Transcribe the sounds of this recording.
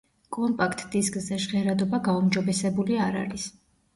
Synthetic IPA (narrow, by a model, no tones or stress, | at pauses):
kʼɔmpʼakʰt̪ʼd̪iskʼzɛʃʁɛɾad̪ɔbaɡaumd͡ʒɔbɛsɛbuliaɾa̰ɾis